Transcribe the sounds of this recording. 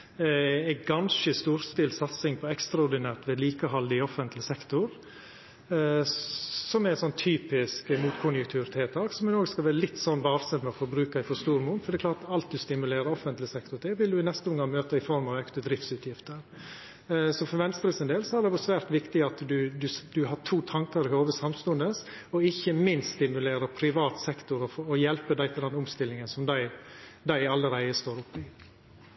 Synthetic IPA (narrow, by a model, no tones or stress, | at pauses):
æɡɑnʃəst̪uːɾst̪ɪlsɑt̪sɪŋpʰɔɛkst̪ɾɑɔɾɖ̪ɪnæːɾt̪ʋɛd̪liːkəɦɑld̪ɪɔfənt̪ʰlɪsɛkt̪ʊɾ | sɔmɛɾɛt̪sɔnt̪ʰːyːpɪskmuːt̪kʰʊnjʉkt̪ʰʉːɾt̪ʰeːt̪ʰɑːksɔmɛnoːɡskɑlʋæːɾəlɪt̪ːsɔnːbɑːɾsənmɛɔfɔɾbɾʉːkɑɪfɔst̪uːɾmuːnfɔɖɛkʰlɑːt̪ɑlt̪̚d̪ʉst̪ɪmʉleːɾəɾɔfənt̪lɪsɛkt̪ʊʈ̪ʰɛːʋɪld̪ʉɪnɛst̪əʊŋːɡɑŋmøːt̪əɪfɔɾmɑʋɛkt̪əd̪ɾɪft̪sʉːt̪jɪft̪əɾ | sɔfɔɾʋɛnst̪ɾəsɪnd̪eːlsɔæɖ̪ɛʋɔsʋæːɾt̪ʋɪkt̪ɪɑt̪d̪ʉd̪ʉd̪ʉɦɑʈʰuːt̪ʰɑŋkɑɾɪhoːʋəsɑmst̪ʉnd̪əs | ɔɪçːəmɪnst̪st̪ɪmʉleːɾəɾpʰɾɪʋɑːt̪sɛkt̪ʊɾɔfɔjɛlpəd̪æɪt̪ʰəd̪ɛnʊmst̪ɪlːɪŋənsɔmd̪æɪd̪æɪɑlːəɾæɪəst̪oːɾʊpːɪ